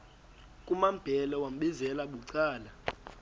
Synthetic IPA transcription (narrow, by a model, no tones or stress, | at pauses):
kʼumamb̥ʱɛlɔwam̩ɓizɛlaɓuǀaːla